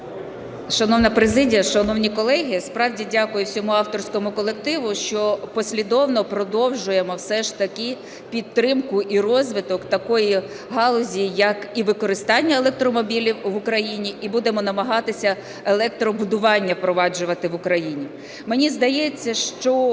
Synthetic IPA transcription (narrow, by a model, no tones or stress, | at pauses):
ʃɐnɔwnɐpɾezɪdʲijɐʃɐnɔwnʲikɔlˠɛɦʲispɾɑwdʲidʲakʊjʊsʲɔmuɑwt̪ɔrsʲkɔmʊkɔlˠekt̪ɪʋʊʃt͡ʃɔpɔsʲlʲid̪ɔwnɔpɾɔd̪ɔwʒʊjemɔwsɛʃt̪ɐkʲɪ | pʲid̪t̪ːɾɪmkʊʔirɔzʲʋɪt̪ɔkt̪ɐkɔji | ɦɑlˠɔzʲijɐkiʋɪkɔɾɪst̪ɑnʲːɐelˠek̚t̪ɾɔmɔbʲilʲiwʋʊkɾɐjinʲiʔibud̪emɔnɐmɐɦɑt̪ɪsʲɐ | elˠɛk̚t̪ɾɔbʊd̪ʊʋɑnʲːɐwpɾɔʋɑd͡ʒʊʋɐt̪ɪʋʊkɾɐjinʲi | menʲizd̪ɐjɛt͡sʲːɐʃt͡ʃɔ